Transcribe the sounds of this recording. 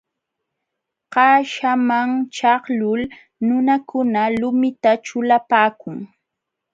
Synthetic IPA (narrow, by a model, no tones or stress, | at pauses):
ɢɑːʃamaŋt͡ʃɑhlʊl | nʊnakʊnalʊmɪt̪at͡ʃʊlapaːkʊŋ